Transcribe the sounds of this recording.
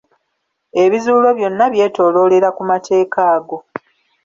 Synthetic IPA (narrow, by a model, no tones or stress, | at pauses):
e̞βizuːlo̞βjo̞nːaβje̞ːto̞ːlo̞ːle̞ɾakumatʰe̞ːkaːɡo̞